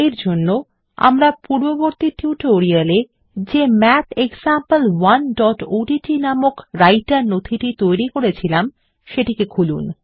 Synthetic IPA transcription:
eɾd͡ʑonːo | a̰mɾapuɾboboɾt̪iʈiuʈoɾiale | d͡ʑemɛt̪ʰeksampəlwanɖɔʈoɖiʈinamokɾajʈaɾnot̪ʰiʈit̪ojɾikoɾet͡ɕʰilam | ʃeʈikekʰulṵn

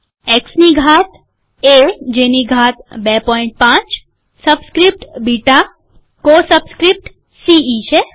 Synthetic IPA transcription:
eksniɡʱat̪̚ʰ | ed͡ʒeniɡʱat̪̚bepɔiɳʈ̚pãt͡ʃ | səbskɾip̚ʈbiʈa | kosəbskɾip̚ʈ | siit͡ʃʰe

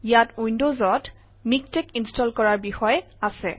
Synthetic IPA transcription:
ijatuindozɔt | mik̚tɛkinstɔlkɔɹaɹbixɔjɛ | asɛ̰

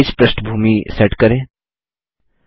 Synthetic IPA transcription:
it͡ʃpɾəsʈbʱuːmiseʈkəɾẽː

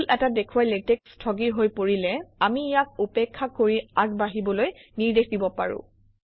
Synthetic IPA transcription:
lɛtadekʰuwajletekstʰɔɡiɹɦojpoɹilɛamijak̚upekʰːakoɹiaɡ̚baɦibɔlojniɹdexdibɔpa̰ɹʊ̰̃

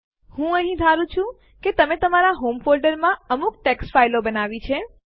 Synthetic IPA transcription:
hũəɦĩd̪ʱaɾũt͡ʃʰũ | ket̪əmet̪əmaɾaɦomfolɖəɾmãəmuk̚ʈeksfailobənaʋit͡ʃʰe

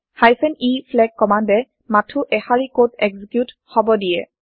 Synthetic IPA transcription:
hajpʰɛnipʰlɛɡ̚kːɔmandɛ | matʰuʔɛhaɹikotɛɡzikjut | hɔbɔdiɛ

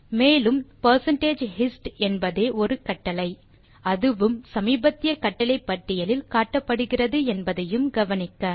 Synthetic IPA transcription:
meːlɯmpɐɾsɐɳʈeːd͡ʒhɪsʈɛnbɐðeːʔɔɾɯkɐʈːɐlɐɪ | ɐðɯʋɯmsɐmiːbɐt̪ːɪjɐkɐʈːɐɭɐɪpːɐʈːɪjɐlɪlkaːʈːɐpːɐɽɯɣɪrɐðɯɛnbɐðɐjɯmɡɐʋɐnɪkːɐ

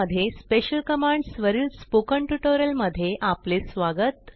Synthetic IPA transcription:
əd̪ʱjespeɕəlkəmaɳɖsʋəɾiːlspokəɳʈuʈoɾəlməd̪ʱːjeʔaplesʋaɡət̪

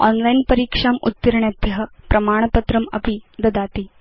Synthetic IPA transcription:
a̰ːnlɐjnpɐɾiːkʂaːmṵt̪ːɐɾɐɳjɐd̪jɐɦɐ̆pɾʔɐmaːɳ̃ɐpɐt̪ɾɐmɐ̰pid̪ɐd̪aːt̪i

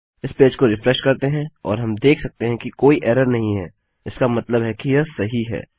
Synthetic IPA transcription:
ɪspeːd͡ʒkoɾɪfɾɛʃkɐɾt̪eɦɛ̃ɔ̰ːɾɦɐmd̪eːkʰsɐk̚t̪eɦɛ̃kikoːiʔɛːɾəɾnɐɦĩɦɛ̰ː | ɪskamɐt̪ləbɦɛkijɐsɐɦiɦɛ̰ː

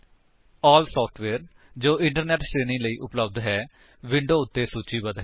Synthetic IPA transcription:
ɔːlsɔːpʰʈʰʋɛːɾ | d͡ʒoːʔɪ̃ɳʈəɾnɛːʈʃɾeːnĩːləiːʔʊpləbd̪ɦɛː | ʋɪɳɖoːʊt̪ːeːsuːt͡ʃiːbəd̪ɦɛː

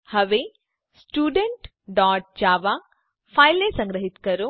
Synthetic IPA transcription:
hɐʋe | sʈuːɖeɳʈ | ɖaːʈ̚d͡ʒaːʋa | pʰajlesɐŋɡɾɐɦit̪kɐɾu

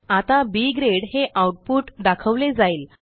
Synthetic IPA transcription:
at̪abiːɡɾeɽɦeʔawʈ̚puːʈd̪akʰəʋled͡zaiːl

